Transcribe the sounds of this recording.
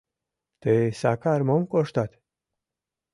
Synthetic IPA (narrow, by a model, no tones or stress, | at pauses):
t̪esakaɾmomkoʃt̪at̪